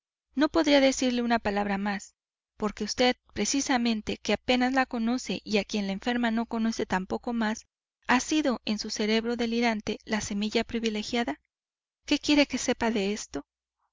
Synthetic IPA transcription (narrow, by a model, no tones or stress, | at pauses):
no̞po̞ðɾiaðe̞siɾle̞unapalaβɾamas | po̞ɾke̞ust̪e̞ðpɾe̞sisamẽ̞nt̪e̞keape̞nazlako̞no̞se̞ʔiakje̞nlaeɱfe̞ɾmano̞ko̞no̞se̞t̪ampo̞ko̞mas | asiðo̞e̞nsuse̞ɾe̞βɾo̞ðe̞liɾant̪e̞lase̞miʝapɾiβile̞xjaða | ke̞kje̞ɾe̞ke̞se̞paðe̞est̪o̞